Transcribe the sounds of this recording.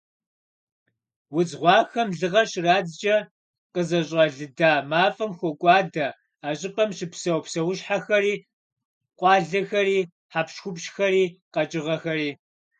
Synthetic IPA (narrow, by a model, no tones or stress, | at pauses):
wʊd͡zʁʷɑːxɐmɮɨʁɐɕraːd͡zt͡ʃʼɐ | qəzɐɕʼɐɮɨdaːmaːfʼɐmxʷɔkʷʼɑːdɐ | aːɕʼɪpʼɐmɕɪpsɐwpsɐwʊɕħaxɐɾiː | qʷʼɑːɮɐxɐɾiː | ħapʃxʷʊpɕxɐɾiːqɐt͡ʃʼɪʁɐxɐɾiː